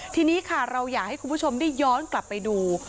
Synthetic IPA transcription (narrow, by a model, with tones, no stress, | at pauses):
t̪ʰiː˧niː˦˥kʰa˥˩ɾa˧wjaː˨˩k̚ha˥˩jkʰu˧mpʰt͡ɕʰo˧mdaː˥˩jːɔː˦˥nkla˨˩pːa˧jduː˧